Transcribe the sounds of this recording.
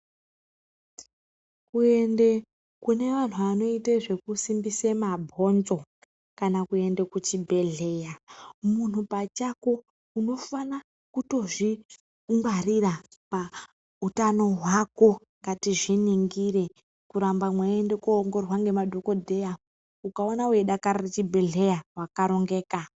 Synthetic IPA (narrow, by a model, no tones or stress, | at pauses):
kue̞nde̞ | kune̞ʋan̤uano̞iteʐe̞kusimbisemabʱo̞nzo̞ | kanakue̞nde̞kut͡ʃibʱe̞ɮe̞jamun̤upat͡ʃako̞ | uno̞fana | kuto̞ʐi | ŋɡarirapa | utano̞ɦwako̞ | ŋɡatiʐiniŋɡiɾe̞ | kuɾambamwaendekuŋɡo̞rwaŋɡe̞madʱo̞ko̞dʱe̞ja | ukaonawe̞ɗakaɾaret͡ʃibʱe̞ɮe̞jawakaɾo̞ŋɡe̞ːka